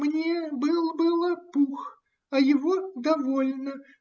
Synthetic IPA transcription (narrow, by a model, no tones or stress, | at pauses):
mnʲebɨlˠbɨlˠəpux | ɐjɪvod̪ɐvolʲnə